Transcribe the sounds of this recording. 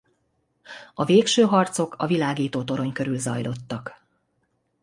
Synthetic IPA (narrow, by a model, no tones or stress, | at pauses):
ɒveːkʃøːɦɒrt̪so̞kʰɒvilaːɡiːt̪oːt̪o̞ɾo̞ɲkø̞ɾylzɒ̰jlo̞t̪ːɒk